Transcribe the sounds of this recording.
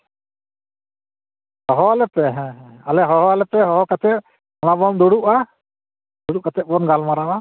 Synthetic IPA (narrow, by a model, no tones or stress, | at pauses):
hɔɦɔalɛpɛɦɛ̃alɛɦɔɦɔalɛpɛɦɔɦɔkat̪ʰɛt̪̚ | ɔnabɔnd̪uɽuʔa | d̪uɽuʔkat̪ʰɛt̚bɔnɡalmaɾawa